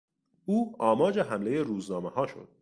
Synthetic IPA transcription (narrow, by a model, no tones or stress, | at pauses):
uːɒːmɒːd͡ʒeɦæmle̞je̞ɾuːznɒːmehɒːʃo̞̰d̪̥